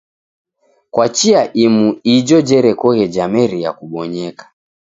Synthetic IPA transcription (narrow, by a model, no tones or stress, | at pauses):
kwat͡ʃiaʔimuid͡ʒɔd͡ʒɛɾɛkɔɣɛd͡ʒamɛɾija̰kuɓɔɲɛkḁ